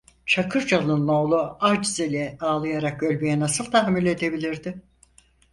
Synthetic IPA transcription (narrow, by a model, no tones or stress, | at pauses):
t͡ʃʰakʰɯɾd͡ʒalˠɯnːo̞ːlˠuad͡ʒizelʲɛaːlˠɯjaɾakølʲbyjɛnasɯlˠt̪ʰaɦmilʲe̞d̪e̞bilʲiɾd̪ɪ